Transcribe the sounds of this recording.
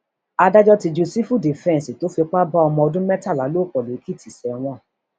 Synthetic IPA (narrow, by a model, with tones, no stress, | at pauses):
a˧da˦d͡ʒɔ˦ti˧d͡ʒu˨˧si˦fu˦˨di˨fɛ̃˦n˨si˨to˦fi˧k͡pa˦ba˦ɔ˧mɔ̃˧ɔ˧dũ˦mɛ˦ta˦˨la˨˦lo˦˨k͡pɔ˨lo˨i˦ki˦˨ti˨sɛ˨ɔ˧w̃ɔ̃˦˨